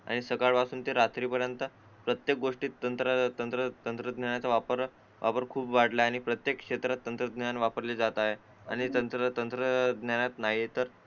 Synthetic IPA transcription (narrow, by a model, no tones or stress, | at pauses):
a̰ɽ̃isəkaɭpasuːnt̪eɾat̪ɾiːpəɾjənt̪ə | pɾət̪jek̚ɡoʂʈiːt̪ːənt̪ɾət̪ənt̪ɾət̪ənt̪ɾəd̪njaɳjat͡saʋapəɾ | ʋʔa̰pəɾkʰuːpʋaɽ̤laːɽ̃ipɾət̪jekkʂet̪ɾat̪ːənt̪ɾəd̪njanʋapəɾled͡zat̪aɦe | a̰ɽ̃it̪ənt̪ɾət̪ənt̪ɾəd̪njanjat̪naɦit̪əɾ